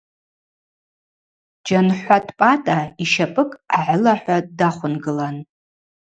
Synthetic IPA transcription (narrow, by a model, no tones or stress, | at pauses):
d͡ʒanħʷatʰʼpʼatʼaiʃapʼɨkʼaʕlaħᶣʷadaχʷʊnɡɨlan